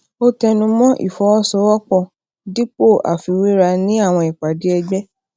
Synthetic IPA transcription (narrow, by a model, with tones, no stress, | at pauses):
o˦tɛ˧nũ˧mɔ̃˦ʔḭ˨fɔ˨˦ɔ˦sɔ˦wɔ˦k͡pɔ̃˦˨ | di˦k͡po˦˨ʔa̰˨fi˨˧wi˦ɾa˧nĩ˦a˦˨w̃ɔ̃˧˨i˨k͡pa˨di˨˦ɛ˧ɡ͡bɛ˦